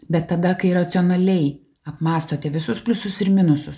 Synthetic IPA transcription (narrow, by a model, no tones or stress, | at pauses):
bʲɛt̪ːɐd̪ɐkɐɪɾɐt̪sʲɪoɔnɐlʲɛɪ | ɐpmɑːst̪oːt̪ʲɛʋʲɪsʊspʲlʲʊsʊsɪɾmʲɪnʊsʊs